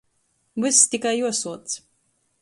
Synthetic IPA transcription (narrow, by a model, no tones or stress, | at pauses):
bɨst̪ikajuɔsuɔt̪s